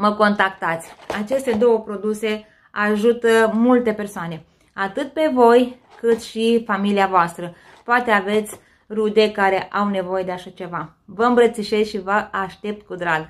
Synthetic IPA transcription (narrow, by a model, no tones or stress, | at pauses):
məko̞nt̪akt̪at̪sʲat͡ʃe̞st̪e̞d̪o̞wəpɾo̞d̪use̞ | aʒut̪əmult̪e̞persoane̞ | at̪ɨt̪̚pe̞vo̞j | kɨt̪ʃifamiliavoast̪ɾə | poat̪e̞ave̞t̪sʲ | rud̪e̞kaɾe̞ʔawne̞vo̞je̞d̪e̞aʃat͡ʃe̞va | vəɨmbɾət̪siʃesʃivəaʃt̪e̞p̚t̪̚kud̪ɾal